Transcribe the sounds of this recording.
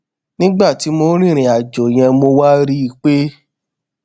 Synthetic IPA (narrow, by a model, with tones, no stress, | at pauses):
nĩ˦ɡ͡ba˦˨ti˨˦mo˧˦ɾ̃ĩ˦˨ɾ̃ĩ˨a˨d͡ʒo˨j̃ɛ̃˧mo˧wa˦ɾi˦i˧k͡pe˦